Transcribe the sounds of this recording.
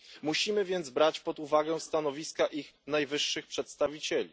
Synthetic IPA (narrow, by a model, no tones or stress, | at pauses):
muɕimɘvʲjɛnd̪zbɾat͡ɕpɔd̪uvaɡɛst̪anɔvʲiskaʔixnajvɘʂːɘxpʂɛt̪st̪avʲit͡ɕelʲḭ